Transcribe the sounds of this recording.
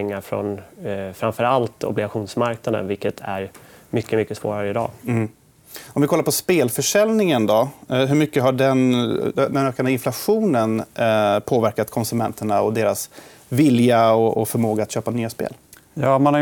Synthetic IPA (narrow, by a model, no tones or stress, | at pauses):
ɛŋːaɾfɾɔ̰nfɾamfœɾalt̪ɔ̰blɪɡaɧuːnsmaɾknad̪ə̰nvɪlkət̪ʰæ̰ɾmʏkːəmʏkːəsvo̰ːɾaɾəɪd̪ɑ̰ː | ɔmvɪkʰɔlːaɾpʰɔspeːlfœʂɛlnɪŋənd̪ɔɦɵɾmʏkːəɦaɖɛnd̪ɛnøːkand̪əɪnflaɧuːnənpʰoːvæɾkat̪kʰɔnsɵmɛnt̪ʰəɳaɔd̪eːɾas | vɪljaɔɔfœɾmoːɡat̪ɕøːpanyːaspḛːl | jɑːmanha